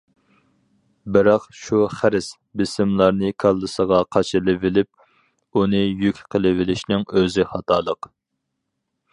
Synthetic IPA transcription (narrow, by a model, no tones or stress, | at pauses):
bɪɾɑqʃuχæɾɪs | bɪsɪmlˠɑɾnɨkʰɑlˠːɨsəʁɑqʰɑt͡ʃʰɨlˠɪvɪlɪp̚ | unɨjykʲqʰəlˠɨvɪlɪʃnɪŋøzɪχɑt̪ʰɑːlˠəq